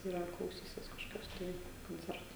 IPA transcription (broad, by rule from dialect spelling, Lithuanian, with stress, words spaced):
ɪr ɐr klˠɐʊˈsʲiːsʲɪs kɐʃkoːˈkʲoːs tɐɪ koːnʲˈt͡sʲɛrtoː